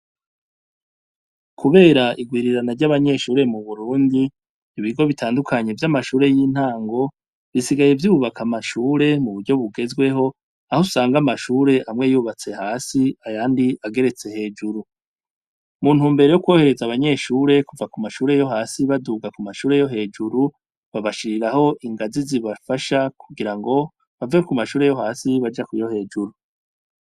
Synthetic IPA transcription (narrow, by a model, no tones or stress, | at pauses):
kʰuβe̞ːɾaʔiɡwiːɾiɾanaɾɟaβaɲe̞ʃuːɾe̞muβuɾuːndi | iβiɡo̞βitʰaːndukʰaɲe̞vjamaʃuːɾe̞jiːn̥haːŋɡo̞ | βisiɡaje̞vjuːβakʰamaʃuːɾe̞muβuɾɟo̞βuɡe̞zɡwe̞ɦo̞ | ahosaːŋɡamaʃuːɾe̞ʔamŋe̞juːβat͡se̞haːsiajaːndiaɡe̞ɾe̞t͡se̞he̞ːd͡ʒuɾu | muːn̥huːmbeɾe̞jokwo̞ːhe̞ɾe̞zaβaɲe̞ʃuːɾe̞kuvakumaʃuːɾe̞jo̞ɦaːsiβaduːɡakumaʃuːɾe̞jo̞ɦe̞ːd͡ʒuɾu | βaβaʃiɾiɾaho̞ʔiŋɡaziziβafaʃakʰuɡiɾaŋɡo̞ | βavekumaʃuːɾe̞jo̞ɦaːsiβad͡ʒakujo̞he̞ːd͡ʒuɾu